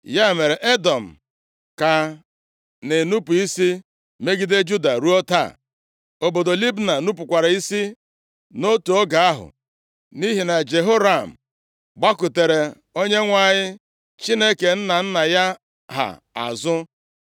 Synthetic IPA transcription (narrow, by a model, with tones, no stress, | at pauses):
ja˦˨me˨ɾe˨ʔe˦dɔ˨m̩˨ | ka˨ | ne˨nu˦pu˨i˦si˦ | me˦ɡi˦de˦d͡ʒu˦da˨ɾu˦ɔ˦ta̰˦˨ | o˨bo˨do˨li˦bna˨nu˦pʊ˨kʷa˨ɾa˨i˦si˦ | no˦tu˨o˦ɡa˨a˦ɦʊ̰˨ | ni˦ɦi˨na˨d͡ʒe˨ɦo˦ɾa˨m̩˨ | ɡ͡ba˦ku˨te˨ɾe˨ | o˦ɲe˦ŋʷa˦˨ɲɪ˦ | t͡ʃi˦ne˦ke˨n̩˦na˨n̩˦na˨ja˦ | ɦa̰˨ | a̰˨zʊ˦